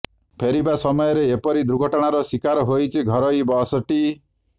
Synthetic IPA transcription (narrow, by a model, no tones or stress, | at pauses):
pʰeɾibasɔmɔjɔɾeːpɔɾid̪ɾuɡʱɔʈɔɽ̃aɾɔsikaɾɔɦojt͡ʃʰiɡʱɔɾɔjbɔːsɔʈi